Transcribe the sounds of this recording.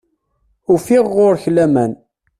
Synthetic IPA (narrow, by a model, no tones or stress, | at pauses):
ufiʁːoɾçlæmæn